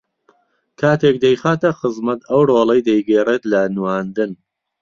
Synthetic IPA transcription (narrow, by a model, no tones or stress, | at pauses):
kʰaːt̪ʰek̚d̪ɐjxaːt̪ɐxɨzmɐt̪ɐwroːlɐjd̪ɐjɡeːreːt̪lɐnwaːnd̪ɨn